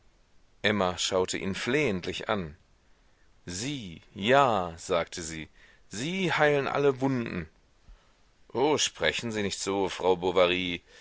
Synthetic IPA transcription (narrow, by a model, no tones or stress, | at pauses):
ʔɛmaʃaʊtʰəʔiːnfleːəntlɪçʔa̰n | ziːjaːz̥aːk̚tʰəziː | ziːhaɪlənʔa̰ləvʊndn̩ | ʔoːʃpʁ̥ɛçn̩ziːnɪçtz̥oːfʁ̥aʊbovaʁiː